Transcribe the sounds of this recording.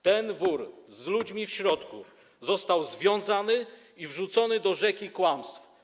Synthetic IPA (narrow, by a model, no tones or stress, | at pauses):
t̪ɛnvuɾzlud͡ʑmʲifɕɾɔt̪kṵ | zɔst̪awzvʲjɔ̃w̃zanɘ | ivʐut̪sɔnɘd̪ɔʐɛkʲikwamst̪f